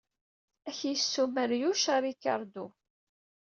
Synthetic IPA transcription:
æçjəsːuməɾjuʃaɾˤikːɑ̰ɾˤd̪u

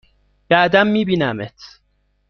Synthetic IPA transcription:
b̥æːd̪æmːiːbiːnæmet̪ʰ

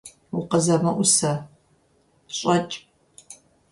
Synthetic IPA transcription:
ʊqɐzɐmɐʔʷʊsɐ | ɕʼɐt͡ʃʼ

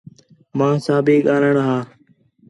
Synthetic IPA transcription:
mãːsãːbiːɠaːləɳɦaː

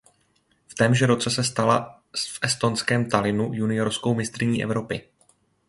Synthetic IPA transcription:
ft̪ɛmʒɛɾo̞t͡sɛsɛst̪ala | fʔɛst̪o̞nskɛːmt̪alɪnujunɪjo̞ɾsko̞wmɪst̪ɾɪɲiːʔɛ̰vɾo̞pɪ

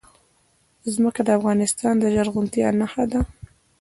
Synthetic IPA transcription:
zməkad̪əafɣɑnɪst̪ɑnd̪əʒaɾɣʊnt̪ia̰nahad̪a

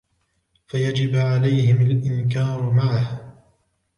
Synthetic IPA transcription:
fajad͡ʒɪbʕalajhɪmalʔɪnkaːɾmaʕah

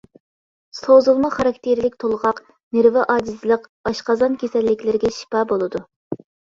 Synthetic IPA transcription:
sozɨlˠmɑχɑɾɑk̚ʲt̪ʰeɾlɪkʲt̪ʰolˠʁɑq | neɾvɪʔɑːd̪ɨzɨlˠəqɑʃqɑzɑnkʲesɛlːɪkʲlɪɾɡʲɛʃi̥pɑːbolˠɨd̪u

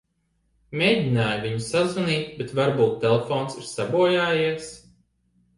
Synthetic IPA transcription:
mʲeːdʲinaːjvʲiɲusazaniːt̪bet̪vaɾbuːt̪ːelˠefɔːnsiɾsabuɔjaːjiɛs

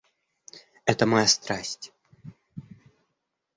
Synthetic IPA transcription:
ɛt̪əmɐjast̪ɾasʲtʲ

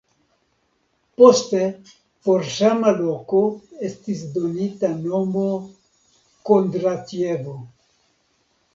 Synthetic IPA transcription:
post̪e | poɾʒamalokoest̪isd̪onit̪anomo | kond̪ɾat̪jevo

